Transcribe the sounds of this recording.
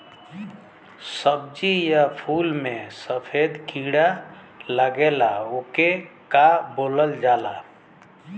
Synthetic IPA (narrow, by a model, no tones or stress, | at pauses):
səb̚d͡ʒijapʰulmesəpʰed̪kiɽa | ləɡelaokekaboləld͡ʒala̰